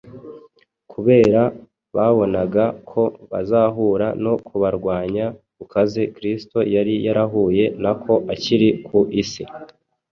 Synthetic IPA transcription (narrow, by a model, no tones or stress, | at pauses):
kʰuβe̞ːɾa | βaβo̞naɡakʰo̞βa̰zaːɦuːɾano̞kʰuβaɾɡwaːɲakukaze̞kɾisto̞jaɾijaɾaɦuːje̞nakʰo̞ʔaciɾikʰuʔisi